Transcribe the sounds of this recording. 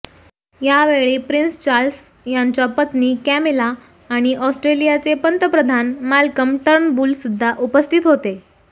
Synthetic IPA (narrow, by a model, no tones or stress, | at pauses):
jaʋeɭiːpɾinst͡ɕaɾls | jaɲt͡ɕjapət̪niːkæmelaː | ɽ̃iʔɔsʈɾelijat͡sepənt̪əpɾəd̪ʱanmalkəmʈəɾɳbuːlsud̪ʱːaʔupəst̪ʰit̪ɦot̪e